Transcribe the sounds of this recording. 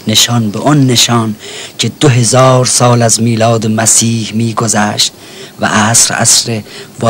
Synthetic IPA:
neʃɒnbeʔɔnːeʃɒːncʰed̪̥oɦezɒːɾsɒːlæzmiːlɒːd̪emæsiːhmiːɡozæːʃt̪̚ | væ̰ʔæsɾæ̰sɾevɒ

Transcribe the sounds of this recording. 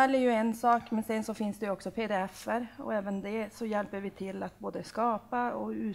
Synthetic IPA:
ɛlːɛɾjɵɛnsɑːkmɛnsɛnsɔfɪnsd̪ɛjʉɔksɔpʰeːd̪ɛɛfːəɾɔ̰ɛːvənd̪ɛsɔjɛlpːəɾvɪt̪ʰɪlːat̪boːd̪əskɑːpaɔʉː

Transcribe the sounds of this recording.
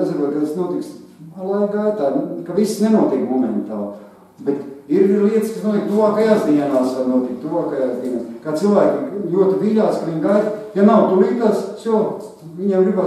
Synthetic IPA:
d̪ziɾoɔt̪kɐt̪asnuɔt̪iksalˠajɡajt̪aːkaʋisnenuɔt̪ikmɔmɛnt̪aːlˠ | bɛt̪iɾlʲiɛt̪skɐsnuɔt̪iɛk̚t̪uʋaːkajazd̪iɛnaːsanuɔt̪ik̚t̪uʋaːkajazd̪iɛnaːskaːt̪silˠʋæːkʲijuɔt̪iviʎʲaːskɐʋiɲɡajt̪janawt̪uliːt̪asslˠk | ʋiɲiɛmɡɾiba

